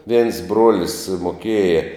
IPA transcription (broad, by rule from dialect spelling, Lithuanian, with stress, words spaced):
ʋʲiɛns ˈbruɔlʲɪs moːˈkʲiɛjɛ